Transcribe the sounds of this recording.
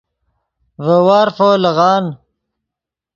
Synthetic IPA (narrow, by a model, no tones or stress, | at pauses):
vəwaːɾfoːlɐɣɑːn